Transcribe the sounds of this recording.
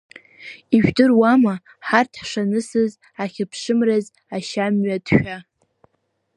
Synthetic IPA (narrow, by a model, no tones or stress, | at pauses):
iʒᶣdɨrwama | ħartʰħʂanɨsɨz | aχʲɪpʰʂɨmraz | aʃamɥadʃᶣa